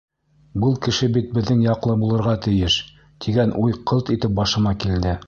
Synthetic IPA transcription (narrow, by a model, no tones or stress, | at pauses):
bɤlˠkɘ̆ʃɘbit̪̚bɘ̆ðːɘŋjɑqlˠɤbulˠɤ̆ɾʁɑt̪ɘ̆jɘʃ | t̪ʰiɡænʔujqʰɤlˠt̪it̪ɘp̚bɑʃɤ̆mɑkild̪ɘ